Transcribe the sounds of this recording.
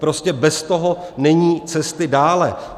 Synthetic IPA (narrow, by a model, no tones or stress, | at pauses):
pɾoscɛbɛst̪oɦo | nɛɲiːt͡sɛst̪ɪdaːlɛ